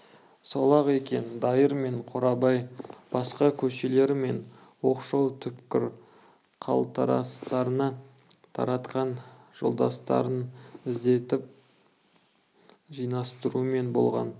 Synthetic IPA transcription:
solˠɑʁe̞kʲe̞nd̪ɑjəɾme̞ɴqʰoɾɑbɑjb̥ɑsqɑkʲʰɵʃe̞le̞ɾɪme̞n | wo̞qʃɑwt̪ʰʏpkʲɪɾ | qʰɑ̰lˠt̪ʰɑɾɑ̰st̪ɑɾənɑt̪ʰɑ̰ɾɑt̪qɑn | ʒ̥o̞̰lˠd̪ɑ̰st̪ɑ̰ɾənɪzd̪e̞t̪ɪp̚ | ʒijnɑst̪əɾuəme̞nbo̞̰lˠʁɑ̰n

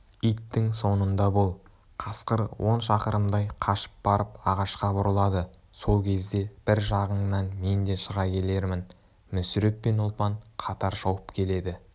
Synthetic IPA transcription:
ijt̪ːɪŋso̞nənd̪ɑbo̞lˠ | qʰɑsqəɾwʔo̞nʃɑqəɾəmd̪ɑjqʰɑʃə̥p̚bɑɾəpɑʁɑʃqɑbʊɾəlˠɑd̪ə | so̞lˠkʲʰe̞zd̪e̞b̥ɪɾʒɑʁəɴnɑnme̞nd̪e̞ʃəʁɑkʲʰe̞le̞ɾmɪn | mʏsʏɾe̞p̪pe̞nʊlˠpɑɴqʰɑt̪ɑɾʒɑwəpkʲʰe̞le̞d̪ɪ

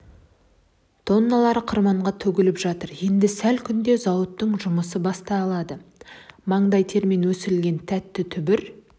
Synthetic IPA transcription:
t̪ʰo̞nːɑlˠɑɾəqʰəɾmɑɴʁɑt̪ʰɵɡʲɪlɪpʒɑt̪əɾje̞nd̪ɪsælkʲʰʏnd̪e̞zɑwət̪ːəɴʒʊməsəbɑst̪ɑːlˠɑd̪əmɑɴd̪ɑjt̪ʰe̞ɾmenwɵsɪɾɪlɡʲe̞nt̪ʰæt̪ːɪt̪ʰʏbɪɾ

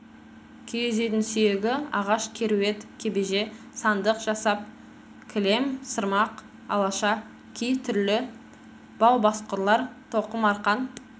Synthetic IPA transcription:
kʲʰejezejt̪ɪnsʏjeɡʲɪɑʁɑʃkʲʰe̞ɾuwe̞t̪kʲʰebeʒe̞ | sɑnd̪əqʒ̥ɑsɑp̚ | kʲʰɪle̞msəɾmɑq | ɑ̰lˠɑʃɑ | kʲʰejt̪ʰʏɾlɪ | b̥ɑwbɑsqəɾlˠɑɾt̪ʰo̞qəmɑɾqɑn

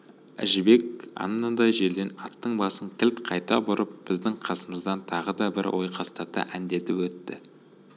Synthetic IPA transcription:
æ̰ʒɪbe̞kɑ̰nnənd̪ɑjʒe̞ɾd̪e̞nɑt̪ːəɴbɑsəŋk̪ʲʰɪlt̪qʰɑjt̪ɑ̰bʊɾʔəp̚b̥ɪzd̪ɪŋqʰɑsəməzd̪ɑnt̪ʰɑʁəd̪ɑbɪ̰ɾwo̞̰jqʰɑst̪ɑt̪ə̰ʔænd̪e̞t̪ɪpwɵt̪ːɪ

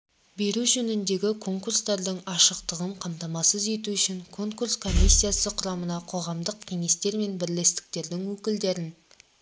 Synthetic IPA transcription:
be̞ɾuʒɵnɪnd̪e̞ɡʲɪkʰo̞ŋkurst̪ɑɾd̪əŋɑʃəqt̪əʁəɴqʰɑmt̪ɑmɑsəze̞t̪uʏʃɪŋkʰo̞ŋkurskʰo̞mʲisʲːijasəqʰʊɾɑmənɑqʰo̞ʁɑmd̪əq̚kʲʰe̞ŋe̞st̪e̞ɾme̞nbɪɾle̞st̪ɪ̥k̚t̪e̞ɾd̪ɪŋwɵkʲɪld̪e̞ɾɪn

